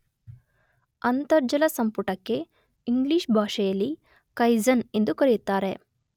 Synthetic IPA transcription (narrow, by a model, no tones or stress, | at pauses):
ɐnt̪ɐɾd͡ʒɐlɐsɐmpuʈɐkːe̞ | iŋɡliːʂbʱaːʂɐjɐlːi | kɐjzɐne̞nd̪ukɐɾijut̪ːaːɾe̞